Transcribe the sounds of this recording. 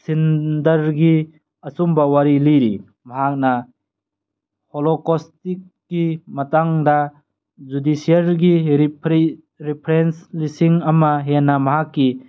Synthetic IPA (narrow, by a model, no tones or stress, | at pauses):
sindɐɾɡi | ɐsumbawaɾiliɾḭ | maɦak̚na | holɔkɔstikːimɐtaŋda | d͡ʒudisiaɾɡiɾ | ɾipʰɾenslisiŋɐmaɦenːamaɦakːi